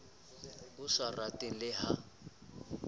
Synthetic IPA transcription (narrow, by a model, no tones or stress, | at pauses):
ʊsaratʼilɪɦa